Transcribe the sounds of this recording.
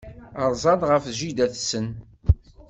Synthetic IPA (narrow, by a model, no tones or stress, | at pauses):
əɾˤzˤɑd̪ˤʁəfʒid̪æθsən